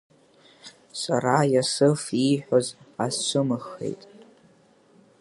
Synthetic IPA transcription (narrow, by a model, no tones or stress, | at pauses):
saɾajasɨfiħʷᶣozasʃʷɨmɨxe̞̰jtʼ